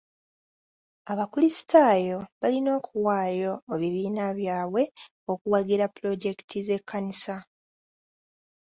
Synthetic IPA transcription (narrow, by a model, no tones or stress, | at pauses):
aβakulisi̥tʰaːjo̞βalino̞ːkuwaːjo̞ːβiβiːnaβjaːβwe̞ | okuwaɡiɾapːulo̞ɟe̞ki̥tʰize̞kʰːanisa